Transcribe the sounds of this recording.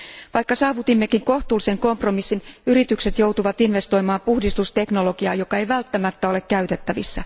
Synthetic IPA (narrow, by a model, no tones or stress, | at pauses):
ʋɑjkːɑsɑːʋut̪imːekiŋko̞ht̪uːlise̞ŋko̞mpro̞misːinyɾit̪ykse̞t̪jowt̪uʋɑt̪inʋe̞st̪o̞jmɑːpuhdist̪ust̪e̞kno̞lo̞ɡ̥iɑ̰ːjo̞kɑe̞jʋælt̪ːæmæt̪ːæo̞le̞kkæyt̪e̞t̪ːæʋḭsːæ